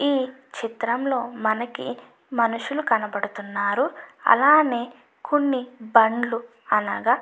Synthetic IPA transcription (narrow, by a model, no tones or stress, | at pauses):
iːt͡ʃit̪ɾɐmlo̞ːmɐnɐkḭ | mɐnuʂulukɐnɐbɐɽut̪unːaːɾuɐ̰laːneː | konːibɐɳɖlu | ɐnaːɡaː